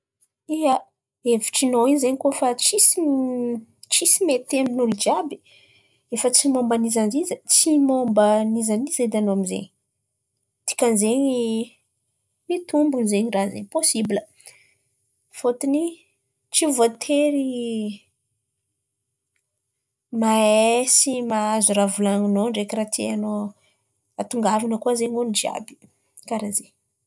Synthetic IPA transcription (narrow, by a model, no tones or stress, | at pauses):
ia | evi̥ʈ͡ʂinoinzeɲikofat͡sisi | t͡ʃisimet̪eminulud͡ʒabi̥ | efət͡simombanizanzizət͡simombanizanized̪anoamizḛɲi | t̪i̥kanzeɲi | mit̪umbunzeɲirazḛɲposibilə | fot̪ini | t͡sivot̪ʰeɾi | maesimaazuɾavulaŋunoɳɖ͡ʐekiɾat̪ʰiano | at̪uŋɡavinəkuazeɲonid͡ʒia̰bi̥ | kaɾaze